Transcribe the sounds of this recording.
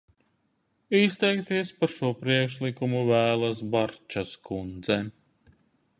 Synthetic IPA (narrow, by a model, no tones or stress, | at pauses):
ist̪ɛjkt̪iɛspaɾʃuɔpɾiɛkʃlˠikumuvæːlˠɐsbaɾt͡ʃaskund̪zɛ